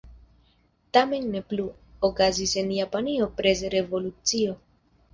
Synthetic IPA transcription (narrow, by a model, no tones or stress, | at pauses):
tame̞nːe̞plu | okazise̞njapanio̞pɾe̞s̬ɾe̞vo̞lut͡sio̞